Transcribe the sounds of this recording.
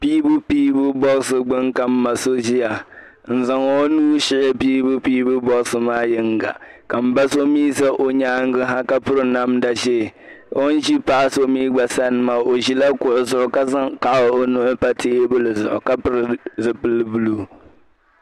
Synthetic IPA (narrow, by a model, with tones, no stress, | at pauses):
piː˦bu˦piː˦bʊ˦bɔ˦ksɨ˨ɡ͡bɨ˦ŋka˨m̩ː˦a˨so˦ʒi˦ja˨ | n̩˨za˨ŋo˦o˦nuː˦ʃɪ˦ʔɪ˦piː˦bu˦piː˦bʊ˦bɔ˦ksɨ˨maː˦jɪ˦ŋ˦ɡa̰˨ka˨m̩˦ba˦so˦miː˦sa˦ʔo˨ɲaː˦ŋ˦ɡɨ˦ɦa˦ka˦pʊ˦ɾɨ˦na˦mda˨ʒe˦˨ | o˦n̩˦ʒi˦pa˦so˦miː˦ɡ͡ba˨sa˦nɨ˨ma˨o˨ʒi˦la˦kʊ˨ʔʊ˨zʊ˨ʔʊ˨ka˦ka˨ʔo˦nʊ˦ʔʊ˦pa˦teː˦bʊ˦lɨ˨zʊ̰˨ʔʊ̰˨ka˦pɨ˦ɾɨ˨zɨ˨pɨ˦lbu˦lu˦˨